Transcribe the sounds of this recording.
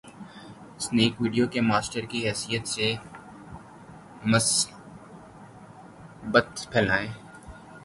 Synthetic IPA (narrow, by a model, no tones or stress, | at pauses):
sneːkʋiːɖijokemaːsʈəɾkiɦɛːsijət̪se | məs | bət̪pʰɛːlaːẽː